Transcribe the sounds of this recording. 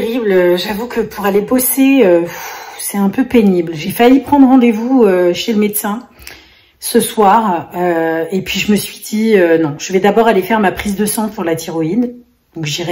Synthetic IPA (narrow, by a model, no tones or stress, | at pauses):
ʁibløʒavukʰəpʰuʁaleboseøfsɛɛ̃pøpeniblʒefajipχɑ̃d̪ʁɑ̃d̪evuøʃeləmet̪sɛ̃ | səswaːʁøepɥiʒəməsɥid̪iønɔ̃ʒ̥əvɛd̪abɔʁalefɛʁmapχizd̪əsɑ̃pʰuʁlat̪ʰiʁɔid̪ | d̥̪ɔ̃kʒiʁɛ